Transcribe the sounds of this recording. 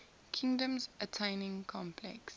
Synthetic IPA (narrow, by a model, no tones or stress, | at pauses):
kʰĩŋdə̃mzətʰẽɪnɪ̃ŋkʰɔ̃mpʰlɛ̰ks